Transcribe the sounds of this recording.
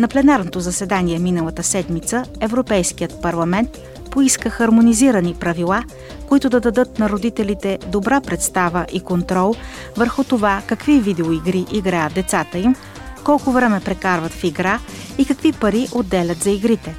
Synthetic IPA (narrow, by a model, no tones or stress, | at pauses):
nɐplɛnaɾnot̪ozɐsɛd̪aniɛminəlˠɐt̪əsɛd̪mit̪səɛvɾopɛjskijət̪pɐɾlˠɐmɛnt̪ | poiskəxɐɾmoniziɾənipɾɐvilˠa | koit̪ʊd̪ɐd̪ɐd̪ɤt̪̚nɐɾod̪it̪ɛlit̪ɛd̪obɾapɾɛt̪st̪avəʔikont̪ɾɔlˠ | vəɾxʊt̪ovakɐkvivid̪ɛoiɡɾiʔiɡɾajət̪̚d̪ɛt̪sat̪əim | kɔlˠkʊvɾɛmɛpɾɛkaɾvət̪fiɡɾa | ikɐkvipɐɾiʔod̪ːɛlʲət̪zɐiɡɾit̪ɛ